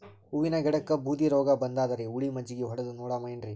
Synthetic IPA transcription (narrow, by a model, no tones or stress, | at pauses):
uʋinɐɡɛɽɐkːɐbʱuːd̪iɾɔːɡɐbɐnd̪aːd̪ɐɾeuɭimɐd͡ʒːiɡeɦɔɽɐd̪unɔːɽamɐjnɾi